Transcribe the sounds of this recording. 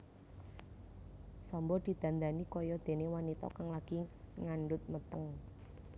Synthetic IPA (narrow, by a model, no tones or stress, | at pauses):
sɔmbɔd̪̥i̤d̪̥ä̤nd̪anikɔjɔd̪̥e̤newanit̪ɔ̰kaŋlaɡ̥iŋaɳɖʊt̪̚mət̪əŋ